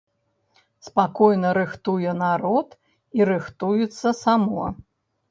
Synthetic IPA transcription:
spakɔjnɐɾɨxt̪ujɛnaɾɔt̪ | iɾɨxt̪ujut̪sːɐsamɔ

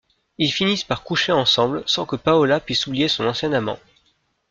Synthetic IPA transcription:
ilfinispaʁkuʃeɑ̃sɑ̃blsɑ̃kəpaɔlapɥisublijesɔ̃nɑ̃sjɛ̃namɑ̰̃

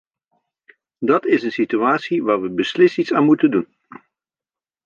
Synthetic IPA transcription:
dɑtɪsənsityaːtsiʋaːɹʋəbəslɪstitsaːnmutəndun

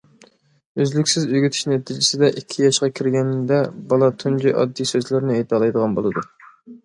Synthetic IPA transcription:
øzlykʲsɪzyɡʲyt̪ʰy̥ʃnɛt̪ʰid͡ʒɪsɪd̪ɛʔikʲʰːijɑʃqɑkʲʰiɾɡʲɛnd̪ɛbɑlˠɑt̪ʰund͡ʒiʔɑ̰d̪ːisøzlɪɾnɪejt̪ʰɑlˠɑjd̪əʁɑnbo̰lˠɨd̪u

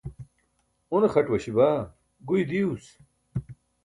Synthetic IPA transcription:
onexɐʈwɐɕibaː | ɡujd̪ius

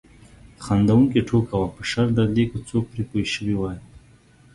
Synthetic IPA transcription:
xand̪awuŋkeʈʰokawapəʃaɾd̪aɾlekot͡sok̚pɾipojʃəwiwaj

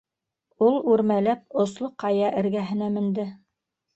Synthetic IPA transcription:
ulˠʉɾmælæp̚ŏslˠoqɑjɑʔɘ̆ɾɡæɦɘ̆næmɘ̆nd̪ɘ

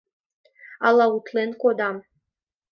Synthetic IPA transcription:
alˠaut̪ʰlenkʷod̪am

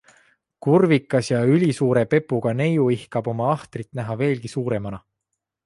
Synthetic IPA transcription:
kurvikːˑɑsjɑylʲisuːɾe̞pe̞pːuɡ̥ɑne̞juihkɑb̥o̞mɑɑht̪rit̪næɦɑve̞ːlɡ̥isuːɾe̞mɑnɑ

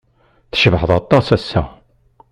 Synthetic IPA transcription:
θʃəvħəðˤɑt̪ˤːɑsæsːæ̰

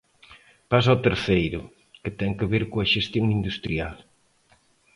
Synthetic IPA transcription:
pasaɔt̪eɾθejɾʊ | kɪt̪ɛŋkeβeɾkoɐʃest̪joŋind̪ust̪ɾial

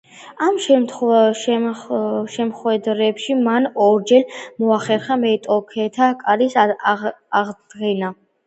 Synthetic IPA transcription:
amʃɛt̪ʃ | ʃɛmχwɛd̪ɾɛpʃimanɔɾd͡ʒɛlmɔaχɛɾχamɛt̪ʼɔkʰɛt̪ʰakʼaɾis | aʁdd̪ɡɛna

